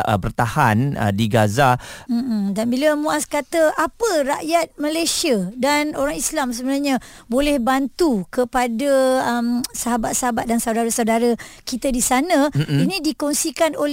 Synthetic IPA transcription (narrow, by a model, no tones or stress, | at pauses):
əbərt̪ahanə̰diɡazam̩m̩danbiləmũaskat̪əʔapəraʔjat̪̚məlajsiadanoɾaŋislamsəbənarɲã | bolɛhbant̪ukəpadaəmsaɦabat̪̚saɦabat̪̚dansawdaɾasawdaɾakit̪adisanãinĩdikɔŋsikanol